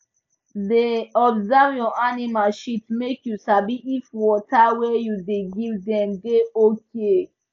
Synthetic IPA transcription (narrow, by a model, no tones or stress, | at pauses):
deɔbzɛvjɔʔanimalʃitmekjusabiʔifwɔtawɛjudeɡivdɛ̃mdeokʰe